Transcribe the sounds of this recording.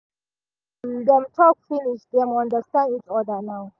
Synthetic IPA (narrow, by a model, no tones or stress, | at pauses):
ndɛ̃mtʰɔk̚finiʃd̪ɛ̃mãndəstãndit͡ʃɔdənaw